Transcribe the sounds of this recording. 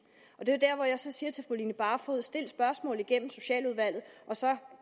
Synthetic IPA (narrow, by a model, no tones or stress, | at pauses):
ɒ̽d̥e̝jod̥æɐ̰ʋɒjɑ̈sɒ̽siːɐt͡sʰe̝fʁolḭːnəb̥ɑ̈ːfɔːð̩ˠsd̥e̝l̰sb̥ɶɐsmɔ̰̽l̩ˠiɡ̥en̰m̩so̝ɕɛ̰ːluð̞ˠʋæl̰ð̩ˠʔɒ̽sɒ̽